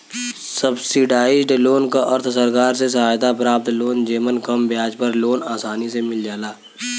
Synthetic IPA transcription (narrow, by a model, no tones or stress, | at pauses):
səbsɪɖaːɪd͡ʒɖloːnkaʔɐɾt̪ʰsəɾkaːɾses̬ɐɦaːjt̪apɾaːp̚t̪loːnd͡ʒeːmənkɐmbjaːd͡ʒpɐɾloːnaːsaːnisemɪld͡ʒaːlaː